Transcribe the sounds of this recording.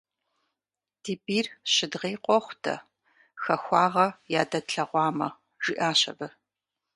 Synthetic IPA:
d̥iːbiːrɕɪdʁeːqʷʼɔχʷtʰɐ̰ | xɐxʷɑːʁɐjaːdɐtɬɐʁʷɑːmɐ̰ | ʒ̥ɪʔaːɕɐ̰bɐ

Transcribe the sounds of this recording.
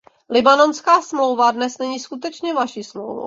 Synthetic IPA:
lɪbano̞nskaːsmlo̞wvadnɛsnɛɲiːskut̪ɛt͡ʃɲɛvaʃiːsmlo̰wvo̰w

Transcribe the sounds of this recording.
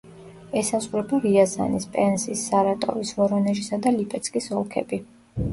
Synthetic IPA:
ɛsazuɾɛbaɾiaza̰nispʼɛnsisːaɾat̪ʼɔ̰visvɔɾɔnɛʒisad̪alipʼɛt̪sʰkʼisɔlˠkʰɛ̰bi

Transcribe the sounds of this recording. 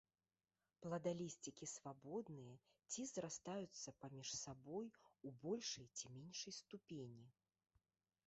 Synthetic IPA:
plˠɐd̪alʲisʲt͡sʲikʲisvabɔd̪nɨjɐ | t͡sʲizɾast̪ajut̪sːɐpamʲiʂsabɔjubɔlʲʂɐjt͡sʲimʲenʲʂɐjst̪upʲenʲi

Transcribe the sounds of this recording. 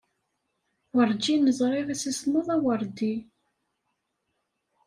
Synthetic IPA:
wəɾd͡ʒinəzˤɾˤiʁisisnoðˤæwəɾd̪i

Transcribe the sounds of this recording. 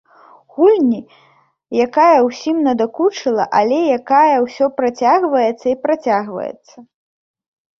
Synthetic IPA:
ɣulʲnʲi | jakajɐwsʲimnɐd̪akut͡ʂɨlˠɐ̰ʔalʲɛjakajɐwsʲɔpɾat͡sʲaɣvɐjɛt̪sːɐipɾat͡sʲaɣvɐ̰jɛ̰t̪sːɐ

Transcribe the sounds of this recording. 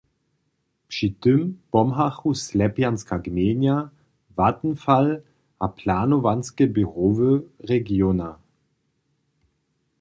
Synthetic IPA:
pʂitɪmpɔmɦaxuslɛpjanskaɡmeːnja | vatn̩fal | ʔapʰlaːnovanskɛbiʁovəʁɛɡjona

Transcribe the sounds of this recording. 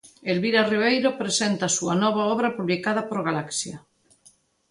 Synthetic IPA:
elβiɾariβ̞ejɾopɾesent̪asuanɔβ̞aɔβ̞ɾapuβlikað̞apoɾɣalaksja

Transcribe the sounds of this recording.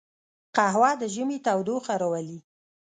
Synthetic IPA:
qaɦwɑd̪əʒəmet̪awd̪oxaɾawali

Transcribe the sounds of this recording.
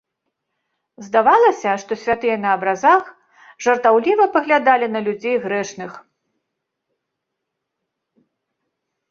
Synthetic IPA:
zd̪avalˠɐsʲɐʂt̪ɔsʲvʲat̪ɨjɐnɐːbɾazax | ʐɐrt̪awlʲivɐpɐɣlʲad̪alʲinɐlʲud͡zʲejɣɾɛʂnɨx

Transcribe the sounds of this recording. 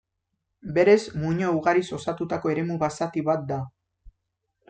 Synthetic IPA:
be̞ɾe̞zmuɲouɣaɾiso̞sat̪ut̪ako̞e̞ɾe̞muβasat̪iβat̪̚d̪a

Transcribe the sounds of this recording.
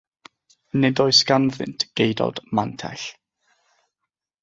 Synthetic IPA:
nɛdɔɨsɡanðɪ̰ntʰɡ̥ejdɔ̰d̥mantʰɛ̰ɬ

